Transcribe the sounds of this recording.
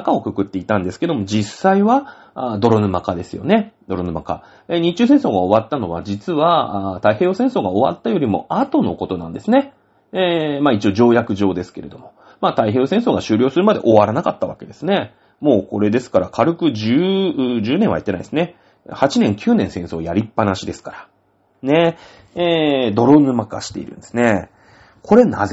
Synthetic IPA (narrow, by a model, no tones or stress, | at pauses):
kao̞kɯ̟kɯ̟t̪ːeit̪ãnd̪e̞sɨ̥ke̞d̪o̞mo̞d͡ʑisaiβa | d̪o̞ɾonɯmakad̪e̞sɨjo̞̰ne̞d̪o̞ɾonɯmaka̰ | eɲ̟it͡ɕːɨːs̬ẽ̞ɰ̃so̞ːɡaoβat̪ːano̞β̞a̰d͡ʑit͡sɨβat̪aiɦeːosẽso̞ːɡaoβa̰t̪ːajo̞ɾʲimo̞̰at̪o̞no̞ko̞t̪o̞nã̰nd̪e̞sɨne̞ | maːit͡ɕioʑo̞ːjakɯ̟ʑo̞ːd̪e̞sɨ̥ke̞ɾe̞d̪o̞mo̞ | maːt̪aiɦeːosẽso̞ːɡaɕɨːɾʲo̞ːsɨɾɯ̟mad̪e̞̰ʔo̞βaɾanakat̪ːaβake̞d̪e̞sɨne̞ | mo̞ːko̞ɾe̞d̪e̞sɨ̥kaɾakʰaɾɯ̟kɯ̟ʑɨːʑɨːnẽβa̰it̪ːena̰id̪esɨne | hat͡ɕinẽ̞ŋkʲʰɨːnẽɰsẽ̞ɰ̃so̞ːjaɾʲipːanaɕid̪e̞sɨ̥kaɾa | ne̞ | ed̪o̞ɾonɯmaka̰ɕi̥t̪e̞̰ḭɾɯ̟̃nd̪esɨne̞ | kʰo̞ɾe̞na̰ze